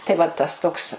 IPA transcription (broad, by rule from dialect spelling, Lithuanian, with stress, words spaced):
tɐɪ ʋɐ ˈtɐs ˈtoːks